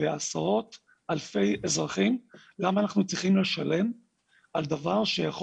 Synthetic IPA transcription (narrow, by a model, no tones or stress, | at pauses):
easaʁo̞t̪ | alfe̞jezʁaχim | lamaːnaχnut͡sʁiχimle̞ʃale̞m | ald̪avaʁʃejaχ